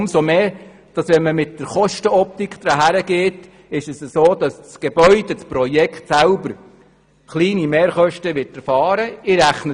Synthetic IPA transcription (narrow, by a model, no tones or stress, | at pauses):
msomeː | d̥ɑsʋɛnməmɪt̚d̥əɾχɔʃtəɔp̚t̪ikχd̥̪ɾɑɦæɾəɡ̥eːt | ɪʃɛsəsoːd̥ɑst͡sɡ̥eb̥œʏd̥ɛt͡spɾɔjɛkχt̪sælbəɾ | χliːnimeːɾχœʃtəʋɪtɛɾfɑːɾəɪɾæχnə